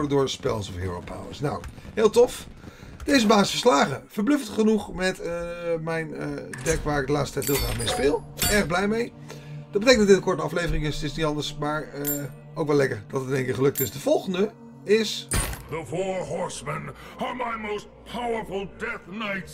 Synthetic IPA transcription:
ɹdədʊːɹspɛ̰lˠsɔfjo̰ːɹo̰pʰa̰wə̰sna̰wɦɪːlˠtɔf | d̥ejzəbaːsɪsfəɹslaːχəv̥əɹblʏfətχənuχmɛtmɛjndɛkʋaːɹɪɡ̚dəlaːstətɛjtʋɪlˠχaːχmejspɪːlˠɛɹχblɛjmej | d̥ɑd̚bətejkndɑɔdɪtəkɔɹtəɑflejvərɪŋɪstɪsnitɑndəɹsmaːɹə | owkʋɛlɛkəɹd̥ɑtətnẽŋkɪχəlɵk̚tɪsdəv̥ɔlˠχəndə | ɪsðəfɔɹɦɔɹsmə̃n | əmaɪmoʊst̚pʰawə˞fl̩ˠdɛθnaɪt

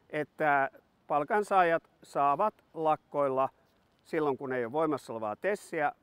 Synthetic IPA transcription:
ʔet̪ːæ | pɑlkɑnsɑːjɑt̪sɑːʋɑt̪lɑkːoilːɑ | silːoŋkuneijoʋʋoimɑsːoleʋɑ̰ːt̪esːiæ

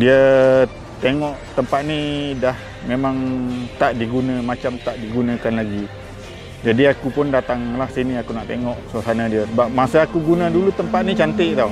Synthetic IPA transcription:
diə | t̪eŋɔʔt̪əmpat̪̚nidah | memaŋt̪aʔdiɡunamat͡ʃamt̪aʔdiɡunakanlaɡi | d͡ʒadiakupʊndat̪aŋlahsiniakunaʔt̪eŋɔʔsoasanadiasəbap̚masaakuɡunadulut̪əmpat̪̚nit͡ʃant̪ɪʔt̪ɔ

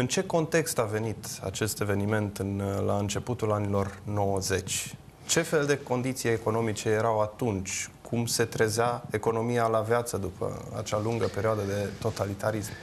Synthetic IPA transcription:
ɨnt͡ʃe̞ko̞nt̪e̞kst̪ave̞nit̪a̰t͡ʃe̞st̪e̞ve̞nime̞nt̪ɨnlaɨnt͡ʃe̞put̪ulanilo̞rno̞wəze̞t͡ʃʲ | t͡ʃe̞fe̞ld̪e̞ko̞nd̪it̪sijeko̞no̞mit͡ʃe̞jeɾawat̪unt͡ʃʲkʰumse̞t̪ɾe̞zeae̞ko̞no̞mijalavjat̪səd̪upʰə̰a̰t͡ʃaluŋɡəpe̞ɾioad̪əd̪e̞t̪o̞t̪alit̪aɾism

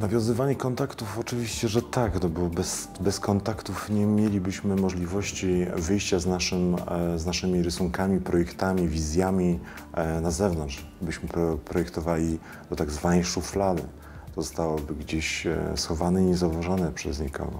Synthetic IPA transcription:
navʲjɔ̃w̃zɘvaɲɛkɔnt̪akt̪ufɔt͡ʂɘvʲiɕt͡ɕɛʐɛt̪aknɔbɔbɛs | bɛskɔnt̪akt̪ufɲɛmʲjelʲibɘɕmɘmɔʐlʲivɔɕt͡ɕivɘjɕt͡ɕaznaʂɘmznaʂɘmʲiɾɘsuŋkamʲipɾɔjɛkt̪amʲivʲizʲjamʲi | nazɛvnɔntʂ | bɘɕmɘppɾɔjɛkt̪ɔvalʲi | d̪ɔt̪aɡzvanɛjʂuflad̪ɘ̰ | t̪ɔzɔst̪awɔbɘɡd͡ʑeɕsxɔvanɛiɲɛzauvaʐanɛpʂɛ̰zɲɛkʰɔ̰ɡɔ̰

